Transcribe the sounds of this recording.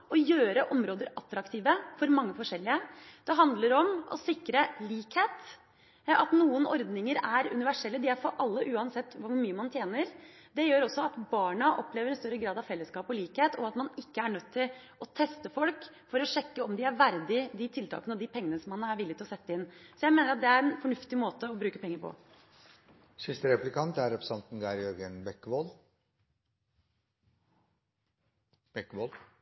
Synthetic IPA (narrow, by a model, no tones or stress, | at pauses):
ɔjøːɾəʔɔmɾoːd̪əɾɑt̪ːɾɑkt̪ʰiːʋəfɔɾmɑŋːəfɔʂɛlːɪəd̪̥ɛɦɑnd̪ləɾɔmʔɔ̰sɪkːɾəliːkheːt̪ | ɑt̪nuːənɔ̰ɾd̪nɪŋəɾæɾʉ̰nɪʋæʂɛlːəd̪ɪæɾfɔɾʔɑlːəʔʉːɑnsɛt̪ːʋʊʊɾmyːəmɑnt̪ʰjeːnəɾ | d̪ɛjøːɾɔsːɔɑt̪bɑːɳəʔɔpleːʋəɾɛnst̪œɾːəɡɾɑːd̪ɑʋfɛlːəskɑːpɔliːkheːt̪ʰɔɑt̪mɑnɪkːəæɳœt̪ʰːɪl | ɔt̪ʰɛst̪əfɔlk | fɔɾɔʂɛkːəɔmd̪ɪæɾʋæɾd̪ɪd̪ɪt̪ʰɪlt̪ʰɑ̰ːkənəɔd̪ɪpʰɛŋːənəsɔmɑnːəæɾʋɪlːɪt̪ɪlɔsɛt̪ːəɪnːsɔjæɪmeːnəɾɑt̪̚d̪ɛæɾɛnfɔɳʉft̪ɪmoːt̪əɔbɾʉːkəpʰɛŋːəɾpʰɔ̰ | sɪst̪əɾɛplɪkʰɑnt̪æɾɔpsɑnt̪n̩ɡɑɾjœɾɡənbɛkːʋol | b̥ɛkːʋol